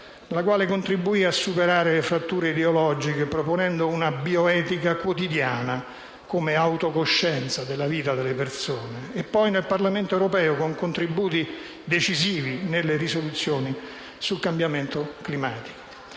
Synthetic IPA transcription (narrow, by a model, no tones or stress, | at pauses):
nlakwaːlekont̪ɾibːuiasːupeɾaːɾelefɾat̪ːuːɾeid̪eolɔd͡ʒikepɾoponɛnd̪ounabioɛːt̪ikakwot̪id̪jaːna | komeawt̪okoʃːɛnt̪sad̪elːaviːt̪ad̪elːepersoːneːpːɔjnelparlament̪oɛwɾopɛːokoŋkont̪ɾibuːt̪i | d̪et͡ʃiziːvinelːerisolut̪sːjoːni | sulkambjament̪oklimaːt̪i̥ko̥